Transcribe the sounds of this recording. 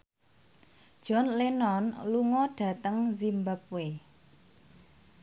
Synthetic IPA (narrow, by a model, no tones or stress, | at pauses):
d̥ʒ̥ɔ̤nlenɔnluŋɔɖ̥ä̤t̪əŋzimbap̚we